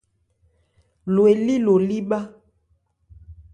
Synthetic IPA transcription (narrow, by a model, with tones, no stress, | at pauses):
lwe˨li˦lo˨li˦ɓa˦